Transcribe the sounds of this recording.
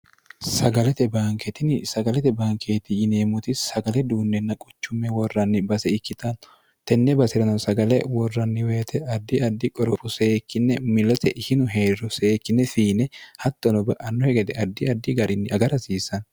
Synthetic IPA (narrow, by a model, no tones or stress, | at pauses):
sɐɡɐlɛt̪ɛbaːŋkɛt̪ɪnsɐɡɐlɛt̪ɛbaːŋkʰeːt̪ɪjɪneːmʊt̪ɪsɐɡɐlɛd̪uːnːɛnːɐkʼʊt͡ʃːʊmːɛwɔrːɐnːɪbɐsɛɪkːɪt̪ɐn | t̪ɛnːɛbɐsɪɾɐnɐnsɐɡɐlɛwɔrːɐnːɪweːt̪ʰɛɐd̪ːɪɐd̪ːɪkʼɔɾɔfʊseːkːɪnːɛmɪlɐt̪ɛʔɪhɪnʊɦeːrɔseːkːɪnːɛfiːnɛhɐt̪ːɔnɔbɐʔɐnːɔhɛɡɛt̪ɛɐd̪ːɪɐd̪ːɪɡɐɾɪnːɪʔɐɡɐɾɐsiːsɐn